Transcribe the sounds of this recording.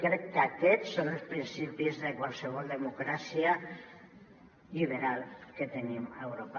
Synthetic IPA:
kɾɛkːakɛsːonelˠspɾinsipizðekwalˠseβ̞ɔlˠd̪emukɾasia | ʎiβeɾalˠket̪enimewɾopa

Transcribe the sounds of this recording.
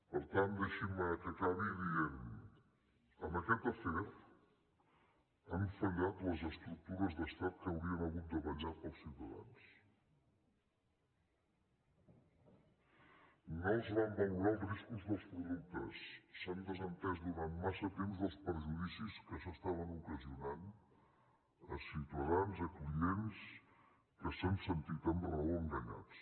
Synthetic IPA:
pəɾt̪and̪əʃiməkəkaβiðien | əməkɛt̪əfɛt̪ | əɱfəʎat̪ləzəst̪ɾuk̚t̪uɾəzðəst̪at̪̚kəwɾiənəɣut̪̚d̪əβəʎapəlˠsiwt̪əða̰ns | noezβand̪əŋɡɾalˠriskuzðəlˠspɾuðuk̚t̪əsːand̪əzənt̪ɛzd̪uɾanmasət̪emzðəlˠspəɾʒuðisiskəsəst̪aβənukəziunan | ə̰siwt̪əðanzəkliens | kəsənsənt̪it̪əmrəoəŋɡəɲa̰t͡s

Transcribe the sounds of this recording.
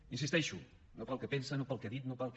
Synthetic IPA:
insist̪ɛʃu | nopəlˠkɛpensənopəlˠkɛðit̪nopəlˠk

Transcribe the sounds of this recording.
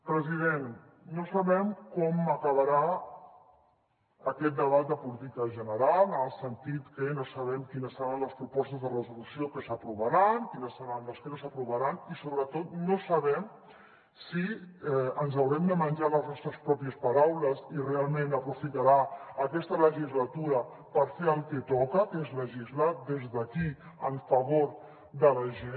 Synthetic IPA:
pɾəziðenː | osəβɛmkɔməkəβəɾa | əkɛt̪̚d̪əβat̪̚d̪əpulit̪ikəʒənəɾalˠəəlˠsənt̪it̪kənosəβɛmkinəsːəɾanləspɾupɔst̪əzðərəzulusiokəsəpɾuβəɾankinəsːəɾanləskənos̬əpɾuβəɾanisoβɾət̪ot̪nosəβɛm | siɛənzɐwɾɛmd̪əmənʒaləznɔst̪ɾəspɾɔpiəspaɾawləsirealˠmẽnəpɾufit̪aɾaəkɛst̪ələʒizlat̪uɾə | pəɾfeɾəlˠket̪ɔkəkezləʒizlat̪̚d̪ezðəki | əɱfɐβoɾ | d̪ələʒe

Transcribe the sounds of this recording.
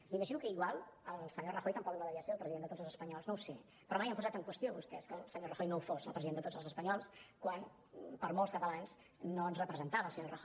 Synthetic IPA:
miməʒinukəiɣwalˠəlˠsəɲorəxojt̪əmpɔk̚ðəaðəβeaəseəlˠpɾəziðend̪ət̪od͡zzəlˠzəspəɲɔlˠznowse | pɾɔmajəmpuzat̪əŋkwəst̪ioβust̪ɛeskəlˠsəɲorəxojnowfozəlˠpɾəziðend̪ət̪od͡zəlˠzəspəɲɔlˠskwan | pəɾmolˠskət̪əlans | nːoənzrəpɾəzənt̪aəlˠsəɲorəxo

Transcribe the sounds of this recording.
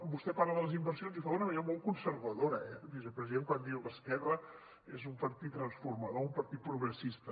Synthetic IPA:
bust̪ɛpaɾləðələzimbərsionzifaunəβəneɾmɔlˠkunsəɾβəðoɾəɛbizəpɾəziðeŋkwand̪iwləskɛrə | ezumpəɾt̪it̪ːɾənsfurməðoumpəɾt̪it̪̚pɾuɣɾəsist̪ə

